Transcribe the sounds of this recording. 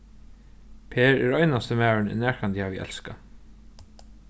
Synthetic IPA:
pʰeːɾɛɾɔjnast̪əmæːɹɪɳɪ̰nːæːɹkant̪jhaviʔɛ̰lska

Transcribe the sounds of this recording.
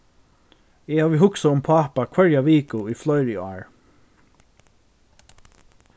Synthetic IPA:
ɛhaːvɪɦʊksaʊmpʰaːpakʰʋɛɹjaʋiːkʊiflɔjɾɪa̰ːɹ

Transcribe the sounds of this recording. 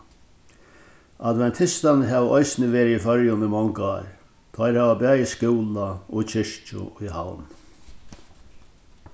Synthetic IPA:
ad̪ʋɛnt̪ʰɪst̪anɦɛːʋɔjsnɪʋeːɾɪifœɾjʊnɪmɔŋkɑ̰ːɾ | t̪ʰɔjɾhɛːʋabæːjɪskɪwlaɔt͡ʃʰɪʂt͡ʃʊ̰iha̰wn

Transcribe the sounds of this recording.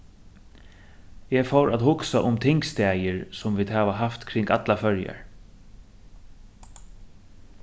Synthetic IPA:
jɛfɔwɾʔaðhʊksaʔʊmt̪ʰɪŋkst̪ɛːjəɹsʊmviːd̪ɦaːʋaɦaft̪kʰɾɪŋkat̪lafœɹja̰ɹ

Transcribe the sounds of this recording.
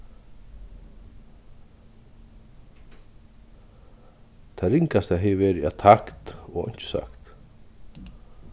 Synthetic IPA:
t̪ʰaɾiŋkast̪aɦɛːveːɾɪat̪ʰakt̪ɔɣɔ̰ɲ̥t͡ʃɪ̥sa̰kt̪

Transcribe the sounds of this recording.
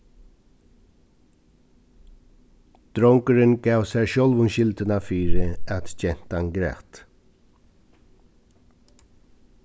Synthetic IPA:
d̪̥ɾɔŋkəɾənɡ̥ɑːʋsæʃœlʋʊnʃɪld̪ənɑːfyːɾəæt̪c͡çɛn̥t̪ɑnɡɾæ̰ːt̪

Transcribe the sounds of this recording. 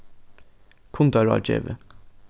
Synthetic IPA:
kʰʊnd̪ɑɾɑ̰ːt͡ʃḛːʋə

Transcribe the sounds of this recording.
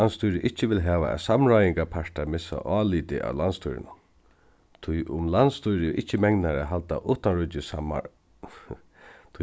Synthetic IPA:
anst̪ujɾɪʔɪht͡ʃːəʋɪlɦɛːʋa̰ɛ̰samɾɔjɪŋkapʰaʂʈ̪amɪsa̰ʔɑːliːt̪ɪʔa̰wlanst̪ʰṵjɾɪ̰na | t̪ʰʊjʔʊmlanst̪ujɾɪʔɪht͡ʃːəmɛŋnaɾa̰ɦalt̪a̰ʔʊːt̪anɾʊtːɪsama̰ | t̪ʰ

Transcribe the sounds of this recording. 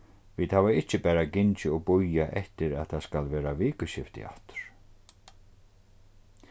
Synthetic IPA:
viːt̪haːvaɪht͡ɕːɪbɛːɾaɡɪnt͡ʃɪɔɣbʊjaʔɛht̪ɪɾaðθaðskalvɛːɾaviːkʏɕɪft̪ɪ̰a̰ht̪ʏ̥ɾ̥

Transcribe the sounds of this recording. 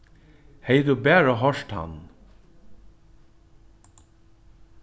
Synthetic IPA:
heɪd̪ʉːbæːɹəɦɔʃt̪hɑ̰n

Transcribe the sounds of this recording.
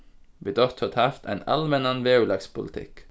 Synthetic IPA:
ʋɪd̪ɔt̪hɔt̪ʰɑft̪æ̰ɪnɑ̰lmɛnɑnʋeːʉlɑkspʰʊ̰lət̪ʰɪ̰k

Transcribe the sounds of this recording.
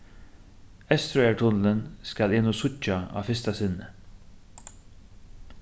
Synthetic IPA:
ɛst̪ɾʊɛɹʈ̪ʰʊnlənskalɪːnʊsʊt͡ʃːaɑ̰ːfɪst̪asɪnːə

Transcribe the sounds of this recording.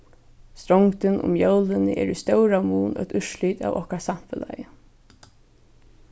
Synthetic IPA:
st̪ɾɔŋkt̪ɪnʔʊ̰mjœwlɪnɪʔɛ̰ːɾʏst̪œwɾamuːnœ̰t̪ʏʃliːt̪a̰ːvɔhkasam̥fɛla̰jɪ

